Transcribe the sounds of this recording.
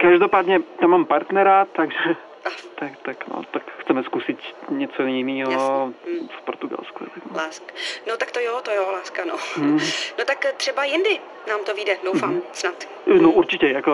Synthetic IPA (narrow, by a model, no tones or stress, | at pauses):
kaʒdo̞paːd̪ɲɛt̪amːaːmpaɾt̪nɛɾat̪aɡʒɛ | ʔat̪akt̪akno̰t̪akxt͡sɛmɛskusɪt̪ɲɛt͡sojɪniːɦofpo̰ɾt̪uɡa̰lskṵt̪akolaːskḁnot̪ak̚t̪ojot̪ojolaːskano | not̪akt̪r̥ɛbajɪndɪ | naːmt̪oviːdɛdowfaːmsnat̪ | noʔuɾt͡ʃɪcɛjako